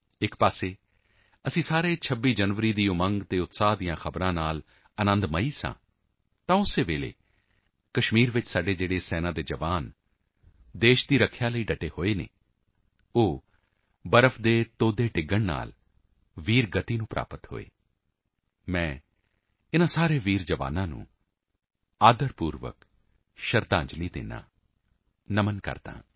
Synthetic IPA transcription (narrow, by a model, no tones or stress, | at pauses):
ɪkpaːseː | əsĩːsaːɾeːt͡ʃʰəbːiːd͡ʒənʋəɾiːd̪iːʊmə̃ŋɡt̪eːʊt̪saːɦd̪ijãːxʰəbɾãːnaːl | ənə̃nd̪məiːsã̰ː | t̪ãːʊsːeːʋeːlḛː | kəʃmiːɾʋɪt͡ʃsaːɖeːd͡ʒeːɽeːsɛːnãːd̪eːd͡ʒəʋaːn | d̪eːʃd̪iːɾəkʰjaːləiːɖəʈeːhoːeːnḛː | oː | bəɾəpʰd̪eːt̪oːd̪eːʈɪɡːəɳna̰ːl | ʋiːɾɡət̪iːnũːpɾʔa̰ːpət̪ho̰ːḛː | mɛ̃ː | ɪnãːsaːɾeːʋiːɾd͡ʒəʋa̰ːnãːnṵ̃ː | aːd̪əɾpuːɾʋə̰k | ʃəɾt̪ãːɲd͡ʒliːd̪ḛːnã̰ː | nəmənkə̰ɾd̪a̰ːɦãː